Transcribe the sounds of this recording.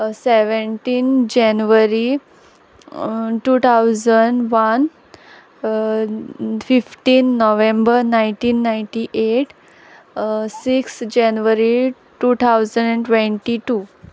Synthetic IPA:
seʋəɳʈiːnd͡ʑɛnʋəɾi | ʈuːt̪ʰawd͡zəɳɖʋən | fifʈiːnːoʋẽmbəɾnajɳʈiːnːajɳʈiʔeʈ | siksd͡ʑɛnʋəɾi | ʈuːt̪ʰawzə̃ɳɖɛ̃ɳʈʋẽɳʈiʈuː

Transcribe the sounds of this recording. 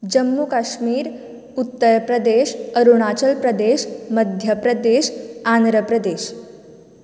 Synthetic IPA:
d͡ʑəmːukaʃmiːɾ | ut̪ːəɾpɾəd̪eʃəɾuɽ̃at͡ɕəlpɾəd̪eːʃməd̪ʱjəpɾəd̪eʃand̪ɾəpɾəd̪eːʃ

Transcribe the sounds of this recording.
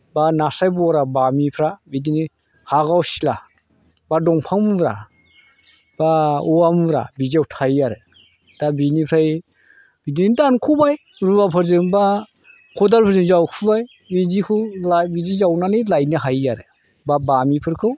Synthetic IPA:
banasajbɔɾabamipʰɾabidini | haɡawsila | badɔŋpʰaŋmɾa | b̥aɔamɾa̰biziawtʰajaɾɯ | d̥abinipʰɾaj | b̥idinidankʰubaj | ɾubapʰɯɾzɯŋba | kʰɔdalpʰɯɾzɯnzawkʰubaj | bizikʰulabizizawnanilajnɯɦajaɾɯ̰ | babamipʰɯɾkʰɯw

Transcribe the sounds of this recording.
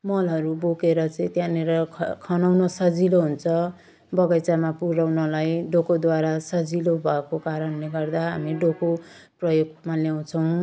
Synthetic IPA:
mʌlɦʌɾubokeɾʌt͡sʌĩt̪jãneɾʌkʰʌnawnʌsʌd͡ziloɦunt͡sʰʌ | bʌɡʌjt͡samapuɾawnʌlajɖokod̪waɾasʌd͡zilobʱʌekokaɾʌnleɡʌrd̪aɦa̰miɖokoprʌjoɡmaljaw̃t͡sʰʌw̃

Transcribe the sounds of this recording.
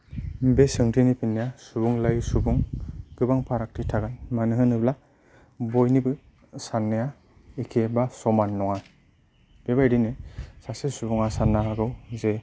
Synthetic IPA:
besɯŋtʰinipʰinːejasubuŋlajsubuŋɡ̥ɯbaŋpʰaɾak̚tʰitʰaɡanmanɯɦɯnɯbla | bɔjnibɯ | sanːeja | ikʰebasɔmanːɔŋa | b̥ebajdinɯsasesubuŋasanːaaɡɯwze

